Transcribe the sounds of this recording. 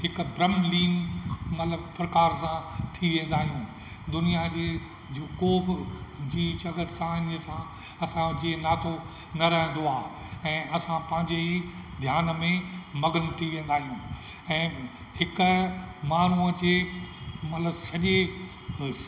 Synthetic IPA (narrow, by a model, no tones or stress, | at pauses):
hɪkbɾɐmliːnmɐt̪ləbpɾɐkaːɾsãt̪ʰiʋẽːn̆d̪aːɦijũː | d̪ʊnijad͡ʑeː | d͡ʑokoːbd͡ʑiːt͡ɕɐɡəɾsãɪnəsã | ɐsãd͡ʑeːnaːt̪ʰo | nɐɾɐɦə̃nd̪oaː | ɛ̃ːʔɐsãpɐ̃ɦɪ̃ɲd͡ʑei | d̪ʱjaːnmẽmɐɡənt̪ʰiʋẽːn̆d̪aːɦijũːɛ̃ː | hɪkʊmaːn̤uəd͡ʑeːmɐt̪ləbsɐʄe